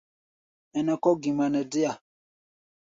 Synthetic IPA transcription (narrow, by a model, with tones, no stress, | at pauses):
ɛ˨nɛ˨kɔ˦ɡi˨ma˨nɛ˨dɪ˦a˨